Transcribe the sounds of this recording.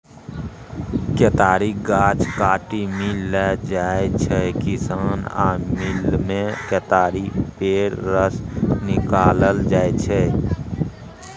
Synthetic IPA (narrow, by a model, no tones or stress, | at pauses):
ket̪aːɾiɡaːt͡ʃkaːʈimilɛd͡ʒaːet͡ʃʰɛkisaːna̰ːmilmẽket̪aːɾipeːɾɾəsnɪkaːləld͡ʒaːet͡ʃʰɛ